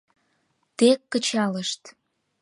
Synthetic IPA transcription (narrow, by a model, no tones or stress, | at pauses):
t̪ekːət͡ɕɑləʃt̪